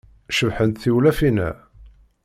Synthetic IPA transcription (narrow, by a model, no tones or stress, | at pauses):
ʃəvħənt̪θiwlæfinæ̰